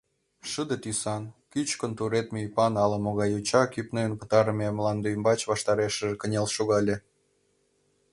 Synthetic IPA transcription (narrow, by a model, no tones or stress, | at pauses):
ʃəd̪ət̪ysɑnkyt͡ɕkənt̪uɾet̪meypɑnɑlɑmoɣɑjut͡ɕɑkypnəənpə̥̆t̪ɑɾəmʲemlɑnd̪ojəmbɑt͡ɕβɑʃt̪ɑɾeʃəʒekənʲelʃoɣɑlʲe